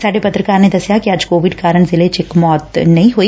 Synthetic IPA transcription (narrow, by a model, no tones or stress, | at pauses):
saːɖepɐt̪ɾəkaːɾned̪ɐsjakiɐd͡ʒkoːʋɪɖkaːɾəɽ̃zɪlet͡ʃekmɔːt̪nɐĩɦoːi